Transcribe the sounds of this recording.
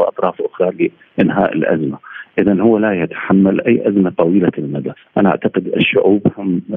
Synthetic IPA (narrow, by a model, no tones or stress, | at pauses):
ʔɑ̰t̪ˤɾˤɑːfʔʊxɾˤɑlɪ | ʔɪnɦaːʔɪ̰lʔa̰zmaʔɪðanhʊwːalajat̪ḁħamːalʔajːʔazmat̪ˤɑwiːlalmad̪aʔanaʔa̰ʕt̪aqɪd̪ɪ̰ʃːʊʕuːbhʊm